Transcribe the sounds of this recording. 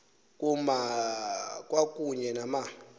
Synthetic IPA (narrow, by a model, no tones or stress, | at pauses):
kʼuma | kʼwakʼuɲɛnama